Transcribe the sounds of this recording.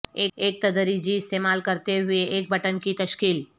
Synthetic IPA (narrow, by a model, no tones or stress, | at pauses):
eːeːk̚t̪ɐd̪əɾid͡ʒiɪst̪eːmaːlkəɾt̪eɦʊeʔeːk̚bʱəʈənkit̪ɐʃkiːl